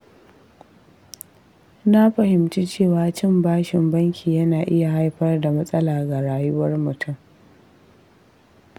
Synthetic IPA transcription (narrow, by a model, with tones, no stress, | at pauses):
na˦ɸɐ˨ɦɪ˨mt͡ʃi˦t͡ʃeː˦˨waː˨t͡ʃɪ˦˨mbaː˦ʃɪ˨mbɐ˦ŋkʲʰiː˨jɐ˦naː˨ʔɪ˦ja˨ɦa˦jɸɐ˦rda˨mɐ˦sʼɐ˦laː˨ɡa˨ɽaː˨jʊ˦wɐ˦rmʊ˨tʰʊ˦m